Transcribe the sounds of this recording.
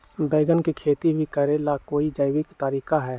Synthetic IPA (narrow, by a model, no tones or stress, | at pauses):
beːɡənkikʰeːt̪ibʱikəɾelakoːid͡ʒəɪwɪkt̪aːɾiːkaɦɛː